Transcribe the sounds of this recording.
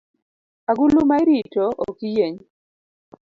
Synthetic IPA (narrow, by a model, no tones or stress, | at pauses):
aɡulumaiɾitoʔo̰kijeɲ